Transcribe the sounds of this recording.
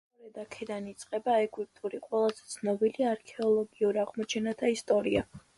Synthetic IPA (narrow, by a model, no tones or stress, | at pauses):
ɔɾɛd̪akʰɛd̪anit̪sʼqʼɛbaɛɡʼwip̚ʼt̪ʼuɾiqʼwɛlˠazɛt̪sʰnɔbiliaɾkʰɛɔlˠɔɡiuɾaʁmɔt͡ʃʰɛnat̪ʰaist̪ʼɔɾia